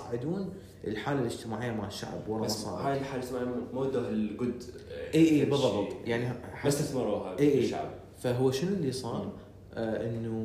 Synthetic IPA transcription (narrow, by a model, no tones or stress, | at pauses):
ʕɪd̪uːn | ʔəlħaːlalɪd͡ʒt̪ɪmaːʕɪjːamaʃa̰ʕbwɑlˤːɑmɑsˤɑ̰haːjɪlħaːlst̪maʕmoːd̪ːaɦɪlɡʊd̪ʔiːʔiːbɨðˤːɑb̪jaʕniħast̪aθmɑɾuɦaʔiːʔːʃa̰ʕb | faɦʊwːaʃɪnʊlːisˤɑːɾˤ | ʔɪnːu